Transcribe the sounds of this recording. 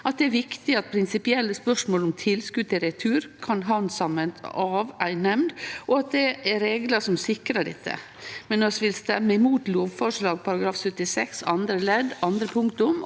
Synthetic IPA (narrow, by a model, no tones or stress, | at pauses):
ʔɑt̪̚d̪ɛæɾʋɪkt̪ɪɑt̪̚pʰɾɪnsɪpɪɛlːəspœʂmoːlɔmt̪ʰɪlskʉːd̪t̪ʰɪɾɛt̪ʰʉːɾkʰɑnɦɑnsɑmːənt̪ɑːʋæɪnɛmd̪ʔɔɑt̪̚d̪ɛɛɾeːɡləʂɔmsɪkɾəɖɛ̰t̪ʰːə̰ | mɛnːɔsʋɪlst̪ɛmːəɪmuːt̪loːʋfɔʂɭɑːɡ̚pʰɑɾɑɡɾɑːfsʉt̪ːɪsɛksɑ̰nd̪ɾəlɛd̪ɑnd̪ɾəpʰʊŋkt̪ʊm